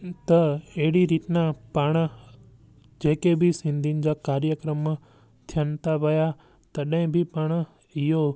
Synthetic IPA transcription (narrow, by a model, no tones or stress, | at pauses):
t̪əeɽiɾit̪napaɳ̃ | d͡ʒekebʱisɪ̃nd̪ʱind͡ʒakaɾjəkɾəmːã | t̪ʰjant̪aʋəja | t̪əɗə̃ẽbʱipəɳ̃ | ijo